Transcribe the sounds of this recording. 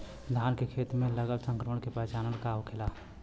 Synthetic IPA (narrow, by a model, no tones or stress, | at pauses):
d̪ʱaːnkekʰeːt̪mẽləɡəlsə̃ŋkɾəməɽ̃kepɛːt͡ʃaːnəɽkaokʰɪlaː